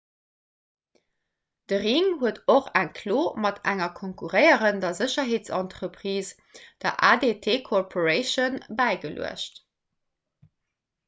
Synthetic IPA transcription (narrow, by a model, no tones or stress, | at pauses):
d̥əʁiŋɦuətoχæŋkʰloːmɑtʰæŋɐkʰoŋkuʁəɪəʁəndɐzəɕɐɦeːtt͡sɑ̰ntʁəpχiːs | d̥ɐʔaːdetʰeːkʰorpʰorəɪʃonbæɪɡəlṵə̰ʃt